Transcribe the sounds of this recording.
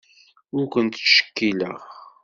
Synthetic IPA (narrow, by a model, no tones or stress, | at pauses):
ʊɾkʷənt̪ʃə̥kːiləʁ